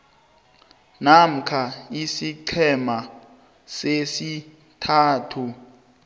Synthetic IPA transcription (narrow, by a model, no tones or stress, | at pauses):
nam̩kʰaisiǀʰɛma | sesi | tʰaːtʰu